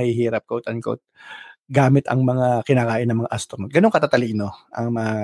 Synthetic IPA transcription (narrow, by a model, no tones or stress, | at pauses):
hɪɦiːɾɐp̚kot̪ɐnko̰t̪̚ɡaːmɪt̪ɐ̰ŋmɐŋakɪnaːkaːʔɪnɐŋmɐŋa̰ʔast̪ɾnot̪̚ɡɐnoŋkɐt̪aːt̪ɐlino̞ʔɐŋmɐŋa